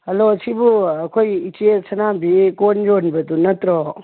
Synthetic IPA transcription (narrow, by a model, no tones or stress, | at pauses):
hɐloɐsibuɐkʰojit͡ʃiesɐnabikond͡ʒonbɐdunɐt̪ɾɔ